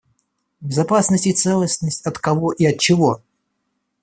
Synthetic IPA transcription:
bʲɪzɐpasnəsʲtʲɪt̪sɛlˠəsʲnəsʲtʲɐt̪kɐvoʔiɐt̪̚t͡ɕɪvo̞

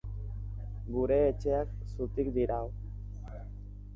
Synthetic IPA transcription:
ɡuɾe̞ːt͡ʃe̞ak | sut̪ikd̪iɾaw

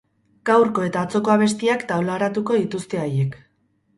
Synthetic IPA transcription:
ɡ̥awɾko̞e̞t̪aːt͡so̞ko̞aβ̞e̞st̪iakt̪awlaɾat̪uko̞ðit̪ust̪e̞aje̞k

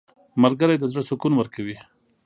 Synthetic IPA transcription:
malɡəɾajd̪əzɽəsʊkunwəɾkawi

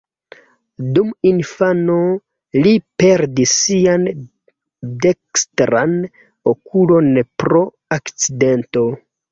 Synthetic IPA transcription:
duminfano | lipe̞ɾdisːian | de̞kstɾan | okulo̞npɾo̞ | akt͡side̞nto̞

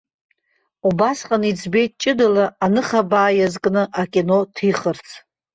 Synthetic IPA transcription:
ubasqʼanid͡zʰbe̞jtʼt͡ʃʼɪdalaːnɨχabaːjazkʼnɨʔakʲʼino̞tʰiχərt͡sʰ

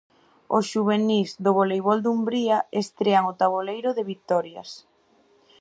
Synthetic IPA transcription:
osʃuβenizðoβolejβɔld̪umbɾiaest̪ɾeaŋot̪aβolejɾʊðeβit̪ɔɾja̰s

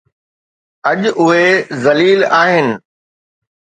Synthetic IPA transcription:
ɐʄʊɦezɐliːlaːɦɪnɪ̆

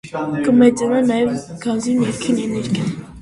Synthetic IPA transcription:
kəmɛt͡sanɑnɑjɛvɡ̥ɑnzinɛɾkʰinɛnɛɾɡʲa

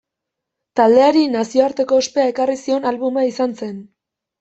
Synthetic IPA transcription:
t̪ald̪e̞aɾinasio̞aɾt̪e̞ko̞ːspe̞ae̞karisio̞nalβumaisanse̞n

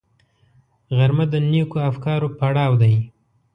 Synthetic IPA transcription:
ɣaɾmad̪ənekoafkɑɾopaɽɑwd̪aj

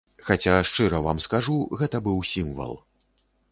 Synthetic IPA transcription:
xat͡sʲaʂt͡ʂɨɾɐvamskaʐuɣɛt̪ɐbɨwsʲimvɐ̰lˠ

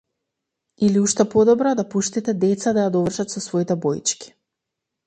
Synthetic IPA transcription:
iliuʃt̪ɛpɔd̪ɔbɾad̪apuʃt̪it̪ɛd̪ɛt̪sad̪ajad̪ɔvr̩ʃat̪sɔsvɔit̪ɛbɔjt͡ʃkʲi̥

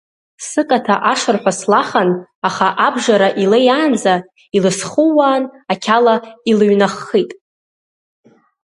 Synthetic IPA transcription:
sɨkʼatʰaʔaʂɨrħʷᶣaslaχanaχaʔabʐaɾaʔilejaːnd͡za | ilɨsχuwaːnakʲʰalailɥnaχːitʼ

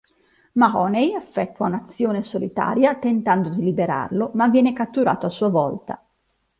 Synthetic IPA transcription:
mahɔnejafːɛt̪ːwaunat̪sːjoːnesolit̪a̰ːɾjat̪ent̪and̪od̪ilibeɾa̰rlomavːjɛːnekat̪ːuɾa̰ːt̪oasːuːavɔlt̪a̰

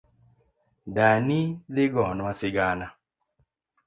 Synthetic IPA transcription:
daniðɪɡɔnwasɪɡana

